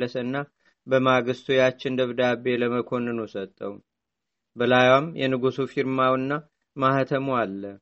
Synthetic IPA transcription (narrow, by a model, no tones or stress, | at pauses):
ləsəɨnːa | bəmaɡɨst̪ʰujat͡ʃːɪnd̪əβd̪abe̞ləməkʰo̞nɨnuwsət̪ʼːəw | bəlajwamjɛ̰nɨɡusufiɾmawɨnːa | maht̪ʰəmualːə